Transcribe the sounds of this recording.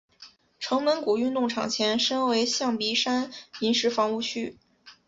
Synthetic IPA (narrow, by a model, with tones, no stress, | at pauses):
ʈ͡ʂʰɤ˧˥ŋmə˧˥nku˨˩y˥˧nt̪ʊ˥˩ŋʈ͡ʂʰɑ̰˨˩ŋt͡ɕʰjɛ˧˥nʂə˥nwe˧˥ɪɕjɑ˥˩ŋpi˧˥ʂa˥ni˧˥nʂɻ̩˧˥fɑ˧˥ŋu˥˩t͡ɕʰy˥